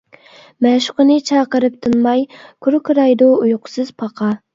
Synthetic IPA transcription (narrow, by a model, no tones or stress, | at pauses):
mɛʃʊ̥qʊnɨt͡ʃʰɑqəɾɨp̚t̪ʰunmɑjkʰuɾkʰɾɑjd̪uujqʰʊ̥sɨzpʰɑqʰɑ